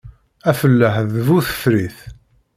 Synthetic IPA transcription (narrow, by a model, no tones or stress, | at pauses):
æfəlːəħðvuθə̥fɾiθ